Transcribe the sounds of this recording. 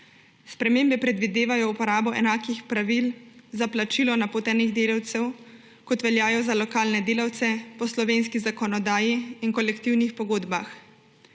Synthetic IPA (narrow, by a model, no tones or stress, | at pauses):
spɾɛmeːmbɛpɾɛd̪ʋid̪eːʋajɔupɔɾaːbɔʔɛnaːkixpɾaʋilzaplat͡ʃiːlɔnapoːt̪ɛniɣd̪eːlawt̪sɛw | kɔt̪ʋɛljaːjɔzalɔkaːlnɛd̪eːlawt̪sɛpɔslɔʋeːnskizakɔnɔd̪aːjiːnkɔlɛkt̪iwnixpɔɡoːd̪bax